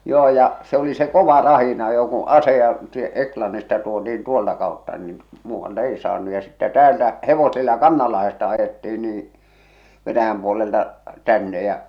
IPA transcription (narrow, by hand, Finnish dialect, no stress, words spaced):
joː jɑ se oli se koʋɑ rɑhinɑjo ku ɑsejɑ sie eklɑnːistɑ tuotiin tuoltɑ kɑˑotːɑ niːn muːʋːɑltɑ̆ ei sɑːnːu jɑ sitːæ tæːltæ heʋosilːɑ kɑnːɑlːɑhestɑ ɑjetːiːn niːĩ ʋenæjæm puoleltɑ tænːe jæ